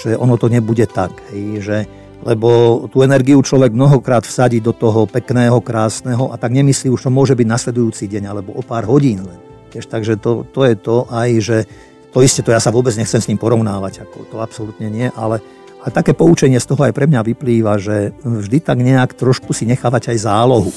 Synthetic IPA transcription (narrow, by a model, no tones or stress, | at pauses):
ʒ̥ɛʔɔnɔt̪ɔɲɛbuɟɛt̪akɦɛjʒɛ | lɛbɔt̪uːɛnɛɾɡiut͡ʃlɔʋɛɡ̚mnɔɦɔkɾaːt̪fsaɟiːd̪ɔt̪ɔɦɔpɛknɛːɦɔkɾaːsnɛːɦɔʔat̪aɡɲɛmisliːuʃt̪ɔmʊɔʒɛbiɟnaslɛd̪ujuːt͡siɟɛɲalɛbɔʔɔpaːɾɦɔɟiːnlɛn | ʋɪɛʃt̪aɡʒɛt̪ɔt̪ɔjɛt̪ɔʔajʒɛ | t̪ɔiscɛt̪ɔjaːsaʋʊɔbɛd͡zɲɛxt͡sɛmsɲiːmpɔɾɔʊnaːʋaɟakɔ̰t̪ɔapsɔlut̪ɲɛɲɪɛʔalɛ | alɛt̪akɛːpɔut͡ʃɛɲɪɛst̪ɔɦɔajpɾɛmɲaʋipliːʋaʒɛvʒd̪it̪aɡɲɛakt̪ɾɔʃkusiɲɛxaːʋaɟajzaːlɔɦu